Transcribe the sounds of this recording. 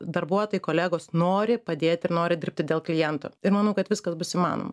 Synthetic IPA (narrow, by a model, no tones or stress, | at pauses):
d̪ɐɾbuɔt̪oːjkoːlʲæːɡoːsnoːɾʲɪpɐd̪ʲeːt̪ʲɪɾnoːɾʲɪd̪ʲɪɾʲp̚ʲt̪ʲɪd̪ʲeːlˠklʲɪjɛnt̪o̰ːɪɾmɐnɐʊkɐt̪ʋʲɪskɐsbʊsimɑ̰ːno̰ːmɐ